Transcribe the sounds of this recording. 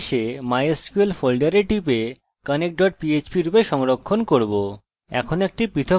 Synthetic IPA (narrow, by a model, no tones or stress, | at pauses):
ʃemajeskuelfolɖaɾeʈipe | kanek̚ɖɔʈ̚piet͡ɕpiɾupeʃɔŋɾokʰːonkoɾbo | ɛ̰kʰonek̚ʈipɾit̪ʰo